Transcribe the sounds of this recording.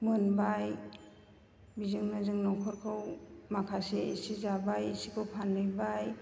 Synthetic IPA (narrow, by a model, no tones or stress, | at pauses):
mɯnbaj | bizɯŋnɯzɯŋnɔkʰɔɾkʰɯwmakʰaseḛsizabajesikʰɯwpʰanːɯjbaj